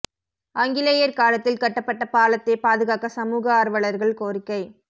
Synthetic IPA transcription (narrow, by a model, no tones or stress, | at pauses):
ɐŋɡɪlɐjɐɾkaːlɐt̪ːɪlkɐʈːɐpːɐʈːɐpaːlɐt̪ːepaːðɯɣaːkɐsɐmuːɣɐaːɾʋɐɭɐɾɣɐɭkoːrɪkːɐɪ